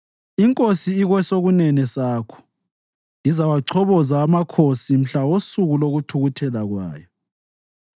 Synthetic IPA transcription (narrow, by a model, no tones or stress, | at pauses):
iŋkʼosiːɣwɛsoɣunɛnɛsaːkʰɔ̥ | izawaǀʰɔβɔzaːmakʰosim̩ɬawosuɣuloɣutʰuɣutʰɛlaɣwa̰ːjɔ